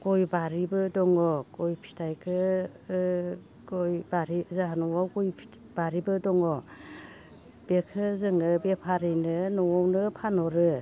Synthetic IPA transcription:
ɡojbaɾibɯdɔŋɔɡɔjpʰi̥tʰajkʰɯ | ɡɔjbaɾizaɦanɔwawɡɔjpʰ | baɾibɯdɔŋɔ | b̥ekʰɯzɯŋɯbepʰaɾɯjnɯnɔwɔwnɯpʰanɔɾɯ

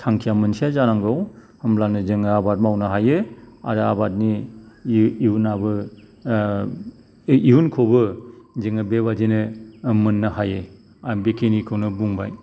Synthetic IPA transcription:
tʰaŋkʰijamɯnsijazaɾaŋɡɔw | hɯmlanɯzɯŋɯabat̚mawnɯɦajɯa̰ɾɯabat̚niː | unabɯ | iɦunkʰobɯzɯŋɯbebad͡ʒenɯmɯnːɯhajɯ | abekʰenikʰɯwnɯbuŋba̰j

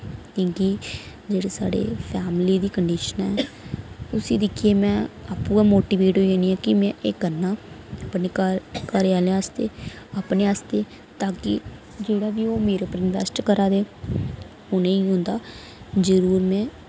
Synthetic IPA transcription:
kĩːkiː | d͡ʒeːɽeːsa̰ːɽḛːpʰɛːmliːd̪iːkəɳɖiːʃənɛ̰ː | ʊsiːd̪ɪkʰieːmɛ̃ːaːpũːɡaːmoːʈiːʋeːʈɦoːiaːniːɛːkɪmɛ̃ːʔeːkənːaː | pneːkkəɾeːaːleaːst̪eː | aːpneːaːst̪eː | t̪aːkɪ̰ | d͡ʒeːɽaːʋiːoːmeːɾeːpəɾɪnʋɛ̰ːsʈkəɾaːd̪eː | ʊnẽːiːɦʊ̃nd̪aː | zəɾuːɾmɛ̃ː

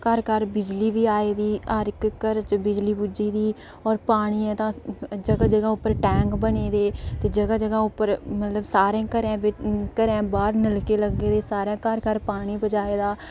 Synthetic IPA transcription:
kəɾkəɾbɪd͡ʒliːʋiːaːeːd̪iːəɾɪkkəɾt͡ʃbɪd͡ʒliːbud͡ʒiːd̪iː | ɔːɾpaːɽ̃iːɛːt̪ãːd͡ʒəɡaːd͡ʒəɡãːʊpːəɾʈɛ̃ːŋkbəneːd̪eːt̪eːd͡ʒəɡaːd͡ʒəɡãːʊpːəɾmət̪ləbsaːɾẽːkəɾɛ̃ːbɪkəɾɛ̃ːbaːɾnəlkeːləɡːeːd̪eːsaːɾãːkəɾkəɾpaːɽ̃iːbəd͡ʒaːeːd̪aː

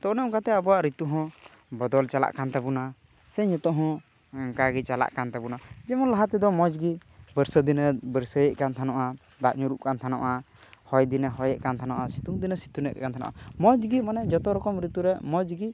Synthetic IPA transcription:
t̪ɔʔnɛʔɔ̃kat̪ɛabɔwaʔɾit̪uɦɔ̃ | bɔd̪ɔlt͡ʃala̰ʔkant̪abuna | sɛɲɛt̪ɔʔɦɔ̃ | kaɡit͡ʃala̰ʔkant̪abunad͡ʒɛmɔnlaɦat̪ɛd̪ɔmɔd͡ʒɡibəɾsəd̪inəbəɾsəjɛʔkant̪ʰanɔʔa | d̪aʔɲuɾuʔkant̪ʰanɔ̰ʔa | hɔjd̪inəɦɔjɛʔkant̪ʰanɔʔasit̪uŋd̪inəsi̥t̪unɛʔkant̪ʰana̰ʔa̰mɔd͡ʒɡimanɛd͡ʒɔt̪ɔɾɔkɔmɾit̪uɾɛmɔd͡ʒɡi

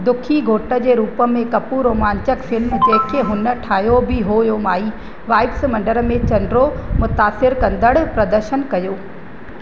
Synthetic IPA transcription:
d̪ʊkʰiɡʱoːʈə̆d͡ʑeːɾuːpə̆mẽkɐpuɾoːmaːɲt͡ɕəkfɪlmd͡ʑeːkʰːeɦʊnə̆ʈʰaːjobɪɦoːjomaːiː | ʋaːɪfsmɐ̃ɳɖəɾmẽt͡ɕɐnɖɾomʊt̪aːsɪɾkɐ̃nd̪əɽpɾɐd̪əɾʃənkɐjoː

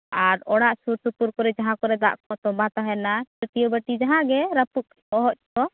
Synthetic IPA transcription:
aɾɔɽaʔsuɾt̪ut̪uɾkɔɾɛd͡ʒaɦãkɔɾɛd̪a̰ʔkɔt̪ɔbãt̪aɦɛnaɛt̪ijɔbəʈid͡ʒaɦãɡɛɾaput̪̚ | ɔɦɔʔkɔ

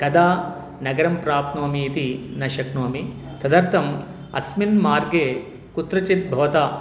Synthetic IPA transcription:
kɐd̪aː | nɐɡɐɾɐmpɾaːpnoːmiːt̪inɐʃɐknoːmi | t̪ɐd̪ɐɾt̪ʰɐm | ɐ̰sminmaːɾɡeː | kut̪ɾɐt͡ʃit̪̚bʱɐʋɐt̪aː

